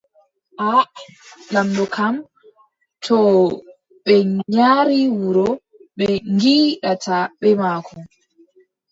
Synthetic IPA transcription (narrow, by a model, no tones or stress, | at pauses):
ʔa | lamdɔkʰam | tʰɔ | ɓɛɲaːɾiwuɾɔ | ɓɛŋɡiːɗatʰaɓɛmaːkʰɔ